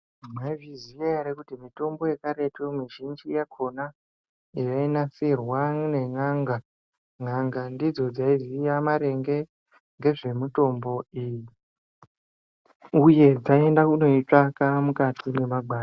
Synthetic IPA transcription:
maivizijaeɾekutimito̞mbo̞jekaɾe̞temiʒind͡ʒijakʰo̞na | ijainasirwane̞ŋaŋɡa | ŋaŋɡandid͡zo̞d͡zaizijamaɾe̞ŋɡe̞ | ŋɡe̞ʐe̞muto̞mbo̞iji | uje̞d͡zae̞ndakuno̞it͡ʂakamukatʰine̞maɡʱwaːr

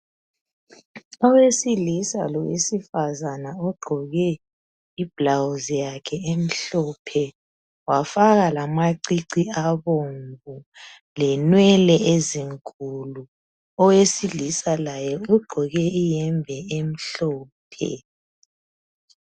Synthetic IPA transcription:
ɔwesilisa̰lɔwḛsifazanaɔɡ͡ǃʱɔɣɛ | ib̥lawzjakʰɛem̩ɬɔpʰɛ | wafaɣalamaǀiǀiaβombu | lɛnwɛlɛeziŋkʼulu | ɔwesilisalajɛuɡ͡ǃʱɔɣɛijɛmbʱɛem̩ɬɔːpʰɛ̰

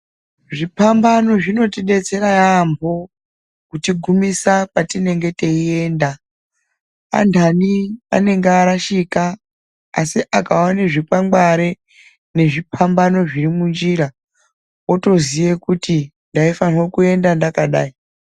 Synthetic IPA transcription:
ʐipambano̞ʐino̞tiɗe̞t͡se̞ɾajambʱo̞ | kutiɡʱumisapatine̞ŋɡe̞te̞ie̞ːnda | a̰ndʱania̰ne̞ŋɡeaɾaʃikaː | siʔakawaneʐipaŋɡaɾe | ne̞ʐipʰambano̞ʐirimund͡ʒiɾa | oto̞zije̞kuti | ndaifanirokue̞ndandakaɗaːi

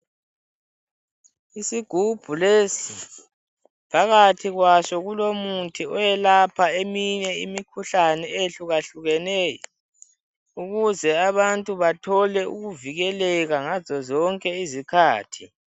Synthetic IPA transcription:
isiɡ̥ʱub̥ʱuleːsi | pʰaɣatʰiɣwaʃɔɣulomuntʼʰiɔjɛlapʰaemiɲɛḭmikʰuɬanɛeɬuɣaɬuɣɛnɛːjɔ | uɣuzɛaβantʼuβatʰɔlɛṵɣuviɣɛlɛɣaŋazɔzɔŋkʼɛizikʰaːtʰi

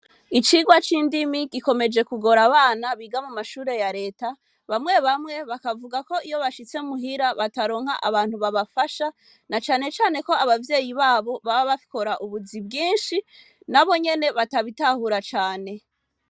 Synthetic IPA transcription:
it͡ʃiːɡwat͡ʃiːndimiɡiko̞me̞d͡ʒe̞kuɡo̞ɾaβaːnaβiːɡamumaʃuːɾe̞jaɾe̞ːta | βamŋe̞βamŋe̞βakavuɡako̞ijo̞βaʃit͡se̞muɦiɾaβataɾo̞ːŋ̥ha̰ʔa̰βaːnhuβaβafaʃa | nat͡ʃaːne̞t͡ʃaːne̞ko̞aβavje̞ːjiβaːβo̞βaβaβafi̥ko̞ɾaʔuβuzibɡiːnʃi | naβo̞ɲe̞ne̞βataβitahuɾat͡ʃaːne̞

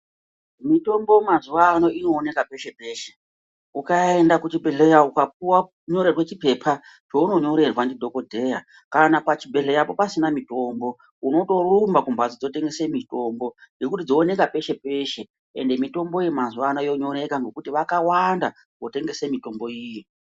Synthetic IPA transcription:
mito̞mbo̞mazuʋano̞ino̞ːne̞kape̞ʃe̞pe̞ːʃe̥ | ukae̞ndakut͡ʃibʱe̞ɮejaukap̚uwa | ɲo̞ɾerwe̞t͡ʃipe̞pʰa | t͡ʃo̞uno̞ɲo̞ɾe̞rwandidʱo̞ko̞dʱe̞ja | kanapat͡ʃibʱe̞ɮejapo̞pasinamito̞mbo̞ | uno̞to̞rumbakumbʱad͡zid͡zo̞te̞ŋɡe̞semito̞mbo̞ŋɡe̞kutid͡zo̞ːne̞kape̞ʃe̞pe̞ʃe̞ | ḛnde̞mito̞mbo̞ijemazuʋanoijo̞ɲo̞ɾe̞kaŋɡo̞kutiʋakawanda̰ | ʋo̞te̞ŋɡe̞semito̞mbo̞iji

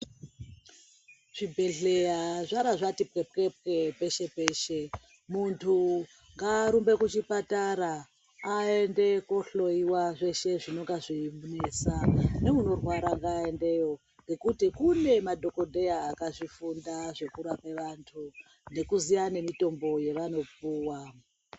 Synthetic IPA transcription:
ʐ̥ibʱeɮe̞jaʐaɾaʐatip̚kepkep̚kepe̞ʃe̞peːʃe̞ | muntʰu | ŋɡaːɾumbe̞kut͡ʃipataɾaː | e̞nde̞koɬo̞iwaʐe̞ʃe̞ʐino̞ŋɡaʐimunesane̞muno̞rwaɾaŋɡaende̞jo̞ | ŋɡe̞kutikune̞madʱo̞ko̞dʱe̞jaːkaʐifundaʐe̞kuɾapeʋantʰu | ne̞kuzijane̞mito̞mbo̞je̞ʋano̞puːwa

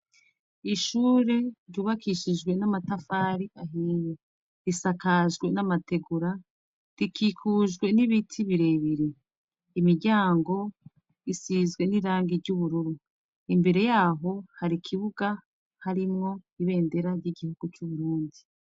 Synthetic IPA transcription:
iʃuːɾe̞ɾɟuːβakʰiʃiʒɡwe̞namatafaːɾiʔaɦiːje | ɾisakaʒɡwe̞namate̞ɡuɾa | ɾikʰiːkʰuːʒɡwe̞niβitʰiβiɾe̞ːβiɾeː | miɾɟaːŋɡo̞ | isiːzɡwe̞niɾaːŋɡiɾɟuβuɾuɾu | imbe̞ɾe̞jaːɦo̞haɾikʰiβuɡa | haɾimŋo̞iβe̞ːnde̞ɾaɾɟiɡihuɡ̥ut͡ʃuβuɾuːndi

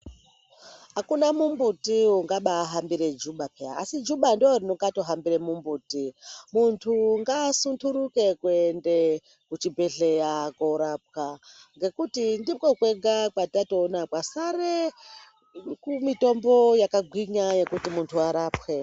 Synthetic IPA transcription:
ɦakunamumbutiuŋɡaɓaːɦambiɾe̞d͡ʒuɓapea̰ːsid͡ʒuɓandoorinoŋɡato̞ɦambiɾe̞mumbuːtimuntʰuŋɡasuntʰuɾuke̞kwuende | kut͡ʃibʱe̞ɬe̞jakoɾap̚kaŋɡe̞kutindimkokweɡʱakwatato̞ːnakwasaɾe | kumito̞mbo̞jakaɡʱwiɲaje̞kutimuntʰuaɾaːpwe

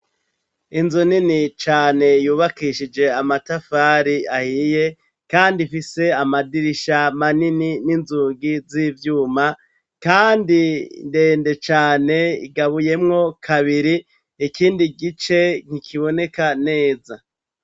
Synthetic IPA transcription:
inzoninit͡ʃaːne̞juːβakiʃid͡ʒe̞amatafaːɾiahije̞ | kaːndifise̞amadiɾiʃamaninininzuːɡiziːvjuːma | kaːndinde̞ːnde̞t͡ʃaːne̞ḭɡaβuje̞mŋo̞kʰaβiɾi | ikiːndiɡit͡ʃe̞ŋ̥hikʰiβo̞ne̞kane̞ːza

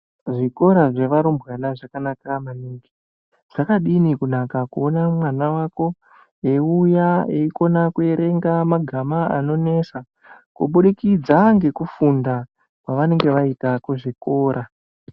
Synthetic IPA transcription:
ʐiko̞ɾaʐe̞ʋaɾumbɣanaʐakanakamaniŋɡi | ʐ̥akaɗinikunakakuonamwanawako̞ | eujaeiko̞nakue̞ɾe̞ŋɡamaɡʱamaa̰no̞ne̞sa | kuɓuɗikid͡zaŋɡe̞kufunda | kwaʋane̞ŋɡe̞ʋaitakuʐiko̞ːɾa

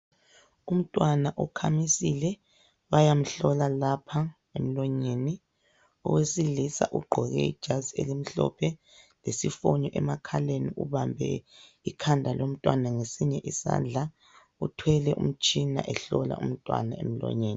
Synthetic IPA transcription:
um̩tʼwanaʔukʰamisilɛ | βajam̩ɬɔlalapʰa | em̩lɔɲeːni | ɔ̰wesilisa̰ʔuɡ͡ǃʱɔɣɛ̰ḭd̥ʒ̥ʱazielim̩ɬɔ̰pʰɛ | lesifoɲɔʔɛmakʰaleniuβambʱɛ̰ | ikʰandʱalom̩tʼwanaŋesiɲɛʔisa̰nd͡ɮʱa | utʰwɛlɛʔṵm̩t͡ʃʼina̰ʔɛɬɔla̰ṵm̩tʼwa̰naḛm̩lɔ̰ɲeːni

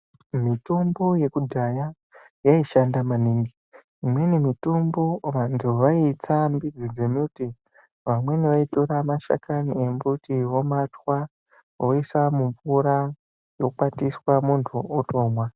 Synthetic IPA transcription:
mitombo̞je̞kudʱaja | jaiʃandamaniŋɡiː | mwe̞nemitombo̞ʋantʰuʋait͡sambid͡zid͡zemuuti | ʋamwe̞neʋaitoɾamaʃa̰kaniembutiwo̞matwa | oisamuɱvuɾa | jo̞k͡patiswamuntʰuoto̞ːmwa

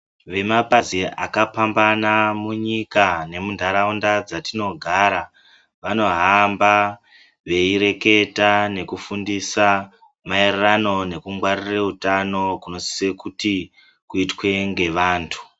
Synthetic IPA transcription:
ʋe̞mapaziʔa̰kapambanamuɲikane̞mundʱaɾaundad͡zatino̞ɡʱaːɾa | ʋano̞ɦamba | ʋe̞iɾe̞ke̞tane̞kufundisa | maererano̞ne̞kuŋɡwarireutano̞kuno̞si̥sekuti | kuitwe̞ŋɡe̞ʋaːntʰu̥

